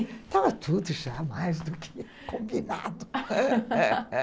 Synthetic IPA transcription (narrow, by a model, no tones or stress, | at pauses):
t̪avɐt̪ʰud̪uʒamajzd̪ukʰɪ̥ | kõmbina̰d̪ʊ